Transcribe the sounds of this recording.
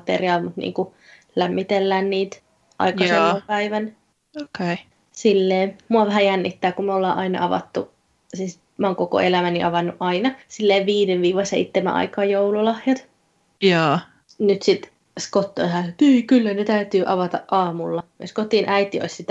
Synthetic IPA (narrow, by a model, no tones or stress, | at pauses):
t̪ḛriɑːlmut̪nḭːŋku | læmːit̪elːæːnniːt̪ | ʔɑ̰ikɑseopæiʋæn | oke | silːeːmuɑʋæhæjænːit̪ːæːkumolːɑːʔɑinɑ̰ɑʋɑ̰t̪ːu | siːs | mæɑoːŋkoko̰elæmæniʔɑʋɑnːuʔɑinɑsilːeːʋʋiːdeʋʋiːʋɑsḛit̪ːemæ̰ʔɑ̰ikɑːjoululɑhjɑt̪ | jɑː | nyt̪sit̪ | skot̪ːo̰isɑːneːkylːænet̪æyt̪yːʔɑʋɑt̪ɑʔʔɑːmulːɑmeskot̪inʔæit̪io̰issit̪æ